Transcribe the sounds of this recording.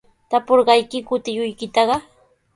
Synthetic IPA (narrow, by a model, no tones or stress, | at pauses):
t̪apoɾɢɑjkɪkʊt̪ɪjʊjkɪt̪ɑɢɑ